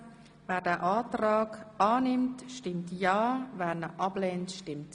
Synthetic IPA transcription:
vɛːɾdɛːʔaːtɾaːɡaːnɪmtʃtɪmtjaːvɛːnəʔɑbleːntʃtɪmt

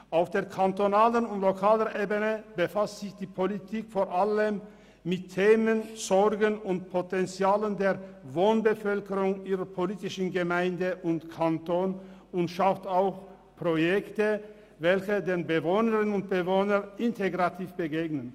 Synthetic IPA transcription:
ʔaʊfd̥eːɐkʰantonaːlənʊntlokʰaːləʔeːbənəbəfastz̥ɪçd̥iːpʰolitʰiːkfoːɐʔaləmː | ɪtʰːeːmənz̥ɔʁɡənʊntpʰotɛnt͡sjaːləndeːɐvoːnbəfœlkəʁʊŋʔiːʁəpʰoliːtɪʃn̩ɡəmaɪndəʔʊntkʰantoːn | ʊntʃaftaʊx | pʁojɛktə | vɛlçədeːnbəvoːnəʁənʊnt̚b̥əvoːnəʔɪntʰeɡʁatʰiːfb̥əɡeːɡnən

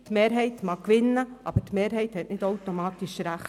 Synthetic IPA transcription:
tmeːɾɦɛɪt̪mɑkːʋɪnːəʔɑ̰b̥ətmeːɾɦɛɪjthɛtnɪdɔwt̪omɑːt̪iʃɾæχ

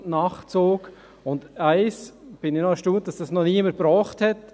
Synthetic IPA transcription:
nɑχt͡soːk | ʊndæɪsb̥ɪnɪnɔəʃtuːt̚d̥ɑsd̥ɑsnɔniəməbɾɔːχthɛt

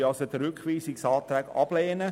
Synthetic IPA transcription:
ɑsəd̪ɾʏkʰʋiːsɪksɑːt̪ɾɛːɡɑ̰b̥leːnə

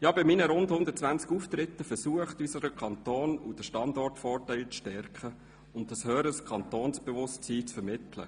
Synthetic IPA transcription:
jɑːbɪmiːnəɾʊndhʊnd̪ət̚t͡sʋænt͡skuft̪ɾɪt̪ːəfəɾsuəχtysəɾəkχɑnt̪oːnud̥əʃtɑndɔrtfɔːrtæɪlt͡sʃtɛrkχə | ʊn̚d̥ɑshøːɾəskʰɑnt̪oːnsb̥evʊstt͡siːt͡sfəɾmɪt̪lə̰

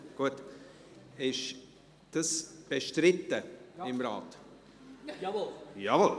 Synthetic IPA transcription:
ɡ̥uət | ɪʃ | d̥əsb̥eʃtɾɪtːəɪmrɑ̰ːt | javol

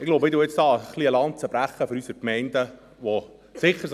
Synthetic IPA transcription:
ɪɡ̥lowbəmɪd̪uːjɪt͡sd̥ɑːχliəlɑnt̚t͡səbɾæχːəføɾysəɾkmɛɪndə | ʋo | sɪχːəɾs

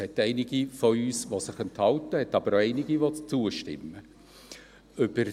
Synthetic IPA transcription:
hɛtɛɪnɪɡifɔyːsʋosɪχɛnthɑltəhɛtɑb̥əɾoɛɪnɪɡiʋot͡suːəʃtɪ̰mːə | ʏb̥əɾ

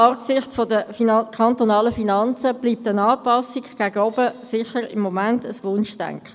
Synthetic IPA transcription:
ɑpsɪχtfodəkʰɑntonɑːləfinɑnt͡səb̥liːp̚tənɑːpɑsiɡɡ̥æɡəɔbəsɪχəɾɪmːomæntəsʋʊnʃtɛ̰ŋk

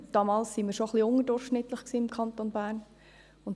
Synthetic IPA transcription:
d̥ɑːmɑːlssinmiːɾʃoχliʊŋədʊɾχʃnɪtləχksiːɪmkʰɑntonbæːɾn | ʊn

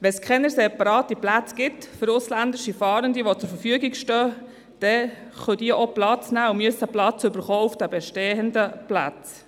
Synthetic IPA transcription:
ʋɛnskʰɛnəɾseːpɑɾɑːtiplæt͡sɡ̥ɪtfəɾʊslændɪʃifɑːɾəndiʋot͡sʊɾfəɾfyəɡɪɡʃtœː | d̥ɛχœd̥iəʔoplɑt͡snæːʊmyəsəplɑt͡sʏbəɾχɔːufd̥æbɛʃteːəndəplɑ̰t͡s

